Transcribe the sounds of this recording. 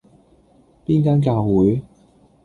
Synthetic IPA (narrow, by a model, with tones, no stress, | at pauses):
piː˥nkaː˥nk̬aː˧wwuː˨˥j